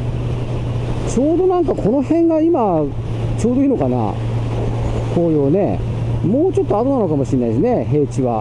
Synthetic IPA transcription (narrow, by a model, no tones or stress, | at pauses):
t͡ɕo̞ːd̪o̞nãŋkakʰo̞no̞hẽ̞ŋɡaima | t͡ɕo̞ːd̪o̞ino̞kana̰ | kʰoːjoːne̞̰ | moːt͡ɕo̞t̪ːo̞at̪onano̞kamo̞ɕinːaisine̞ɦe̞ːt͡ɕiβa